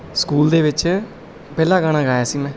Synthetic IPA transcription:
skuːld̪eːʋɪt͡ʃ | pɛːlaːɡaːɽ̃ãːɡaːjaːsiːmɛ̃ː

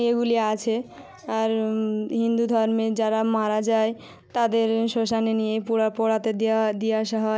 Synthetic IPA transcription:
eɡuliat͡ɕʰe | aɾɦind̪ud̪ʱɔɾmed͡ʑaɾamaɾad͡ʑae | t̪ad̪eɾʃoʃanenijepuapoɽat̪ed̪ad̪ijaʃɔɦa

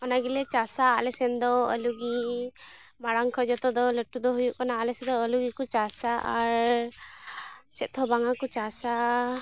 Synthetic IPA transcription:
ɔnaɡilɛt͡ʃasaːlɛsɛnd̪ɔɔ̰luɡi | maɽaŋkʰɔd͡ʒɔt̪ɔd̪ɔləʈːud̪ɔɦujuʔkanaːlɛsɛd̪ɔːluɡikut͡ʃasaʔaɾ | t͡ʃɛt̪ʰɔbaŋakut͡ʃasa

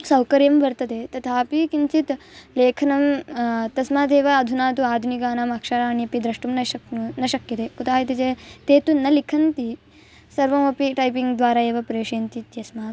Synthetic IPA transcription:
sɐwkɐɾjɐmbɐɾt̪ɐt̪eːt̪ɐt̪ʰaːpikint͡ʃit̪leːkʰɐnɐmt̪ɐsmaːt̪eːʋɐːd̪ʱunaːt̪uaːd̪ʱunikaːnaːmɐkʂɐɾaːñiɐpid̪ɾɐʂʈumnɐɐknɐʃɐkjɐt̪eːkut̪ʰaːɦit̪it͡ʃeːt̪eːt̪unɐlikʰɐnt̪i | sɐɾʋɐmɐpiʈɐjpiŋɡd̪ʋaːɾaːeːʋɐpɾeːʂeːnt̪it̪jɐsmaːt̪

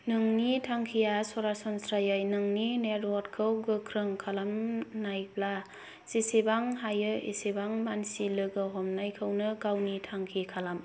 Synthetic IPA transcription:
nɯŋnitʰaŋkʰijasɔɾasɔnsɾajajnɯŋnineɾɔtkʰɯwɡɯkʰɾɯŋkʰalamnajpla | sisebaŋɦajɯʔḛsebaŋmansilɯɡɯɦɔmnajkʰɯwnɯɡawnitʰaŋkʰikʰalam

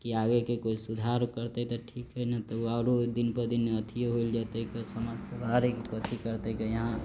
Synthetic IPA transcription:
kiaɡekekoisud̪ʱaɾkəɾt̪et̪əʈʰikɦɛnat̪ɔaːɾod̪inpəd̪inət̪ʰijeɦoild͡ʒat̪ekesəmasəd̪ʱaɾekkət̪ʰikəɾt̪ekejəɦã

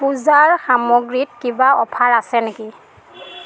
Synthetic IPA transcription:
puzaɹxamɔɡɹitkibaɔ̰pʰaɹasɛneki

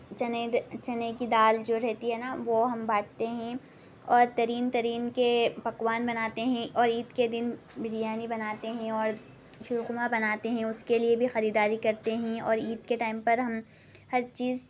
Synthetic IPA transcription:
t͡ʃɐnet͡ʃɐnekid̪aːld͡ʒoːɾɛɦt̪iɦɛːnaʋoɦɐmbaːʈʰt̪eɦɛ̃ | ɔːɾt̪ɐɾiːnt̪ɐɾiːnkepɐkwaːnbɐnaːt̪eɦɛ̃ɔːɾiːd̪ked̪ɪn | bɪɾijaːnibɐnaːt̪eɦɛ̃ɔːɾ | ʃʊɾukʊmabɐnaːt̪eɦɛ̃ʊskeliebʱixɐɾiːd̪aːɾikɐɾt̪eɦɛ̃ɔ̰ːɾiːd̪keʈaːɪmpɐɾɦɐm | hɐɾt͡ʃiːz

